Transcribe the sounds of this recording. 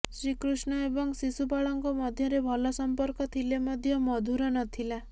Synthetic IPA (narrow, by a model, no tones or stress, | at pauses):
sɾikɾusnɔebɔŋsisupaɭɔŋkɔmɔd̪ʱjɔɾebʱɔlɔsɔmpɔɾkɔt̪ʰilemɔd̪ʱjɔmɔd̪ʱuɾɔnɔt̪ʰila